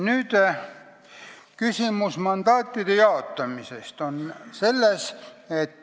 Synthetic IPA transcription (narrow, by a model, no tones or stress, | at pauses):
nyt̪ | kysymusmɑnd̪ɑːt̪ːid̥̪ejɑot̪ːɑmisest̪onselːɑsʲet̪